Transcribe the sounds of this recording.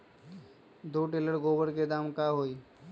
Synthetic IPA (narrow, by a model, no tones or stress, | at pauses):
d̪oːʈeːləɽɡoːbəɾked̪aːmkaːɦoːiː